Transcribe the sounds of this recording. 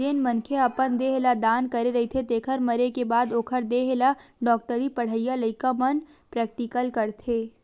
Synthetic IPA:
enmənkʰeɐpənd̪eɦelad̪aːnkɐɾeɾɐɦit̪ʰet̪eːkʰəɾmɐɾekebaːd̪oːkʰəɾd̪eɦelaɖɔːk̚ʈəɾipɐɽ̤əijalɐɪkamən | pɾɛːk̚ʈɪkəlkɐɾt̪ʰeː

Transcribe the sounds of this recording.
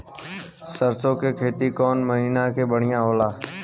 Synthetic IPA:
səɾsõkekʰeːt̪ikɔːnməɦiːnakebəɽ̤ɪjãːɦoːlaː

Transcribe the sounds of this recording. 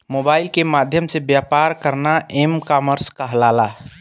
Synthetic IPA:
moːbaːɪlkemaːd̪ʱjəmsebjaːpaɾkəɾnaemkaməɾskəɦlaːla

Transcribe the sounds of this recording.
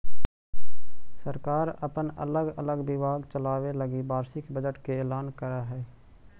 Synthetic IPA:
səɾkaːɾə̰pənə̰ləɡə̰ləɡbɪbaːɡt͡ʃəlaːweləɡibaːɾsɪkbəd͡ʒəʈkeɛːlaːnkəɾaɦɛː

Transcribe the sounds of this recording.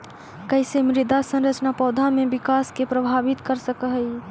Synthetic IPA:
kəɪsemɾɪd̪asə̃nɾət͡ʃnapɔːd̪ʱamẽbɪkaːskepɾəbʱaːʋɪt̪kəɾsəkəɦəi

